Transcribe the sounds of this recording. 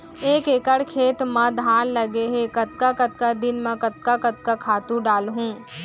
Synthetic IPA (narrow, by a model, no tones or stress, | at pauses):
eːkeːkəɽkʰeːt̪mɐ̃d̪ʱaːnlɐɡeɦekɐt̪̚kakɐt̪̚kad̪ɪnmɐ̃kɐt̪̚kakɐt̪̚kakʰaːt̪ũɖaːlɦũː